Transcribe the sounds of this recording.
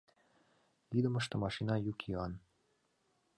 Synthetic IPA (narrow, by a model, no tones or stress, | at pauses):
lid̪ə̆məʃt̪ə̆mɑʃinɑjukʰiɑn